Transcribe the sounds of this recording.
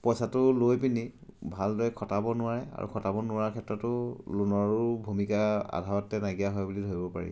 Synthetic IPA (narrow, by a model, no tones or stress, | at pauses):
pɔjsatʊlojpinibʱaldɔjkʰɔtabɔnʊaɹɛa̰ɹṵkʰɔtabɔnʊaaɹkʰɛtɹɔtʊlunɔɹʊbʱumikaa̰dʱawɔtːɛnaɡiaɦɔjbulidʱoibɔpa̰ɹḭ